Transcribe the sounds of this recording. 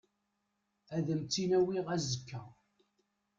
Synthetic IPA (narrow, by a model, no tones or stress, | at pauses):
æðəmt͡sːinæwiʁæzəkːæ̰